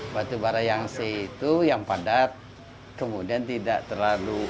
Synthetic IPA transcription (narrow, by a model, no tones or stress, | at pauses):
bat̪ubaɾajaŋseit̪ujaŋpadat̪̚ | kəmudiant̪ida̰ʔt̪ərlalu